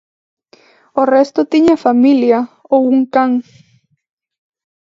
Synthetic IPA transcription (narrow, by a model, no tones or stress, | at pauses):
orest̪ot̪iɲafamilja | ouŋkaŋ